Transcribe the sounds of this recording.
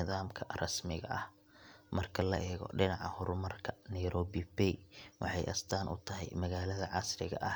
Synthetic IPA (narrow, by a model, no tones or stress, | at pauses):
ɪðaːmkʰɐrɐsmɪɣɐʔɐh | mɐrkʰɐlɐ̰ʔɛːɣɔ̰ɖɪnɑʕɑhʊrmɐrkʰɐnɛjɾɔːbɪbɛjwɑ̰ħɑjʔɐ̰st̪ʰaːnʔʊ̰t̪ʰɐɦɛ̰jmɐɣaːlɐðɐʕɑsrɪɣɐ̰ʔɐ